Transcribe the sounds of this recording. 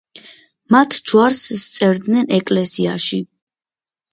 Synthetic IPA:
mat̪ʰd͡ʒwaɾsːt̪sʼɛɾd̪nɛnɛkʼlɛsiaʃi

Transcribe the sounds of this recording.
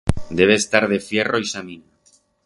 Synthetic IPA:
d̪eβ̞eːst̪aɾðefjeroisamĩna

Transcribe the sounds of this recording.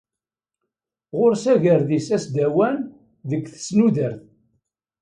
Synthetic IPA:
ʁʊɾsæʝəɾðisæsd̪æwæn | ðəɡθə̥snuðəɾθ

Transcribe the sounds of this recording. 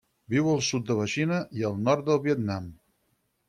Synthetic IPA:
biwəlˠsut̪̚d̪əβəʃinəiəlˠnɔrt̪̚d̪əlˠβiət̪nam

